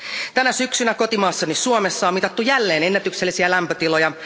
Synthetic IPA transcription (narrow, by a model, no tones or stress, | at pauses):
t̪ænæsyksynæko̞t̪imɑːsːɑnissuomesːɑomit̪ɑt̪ːujælːeːnenːæt̪ykselːisiælæmpøt̪ilojɑ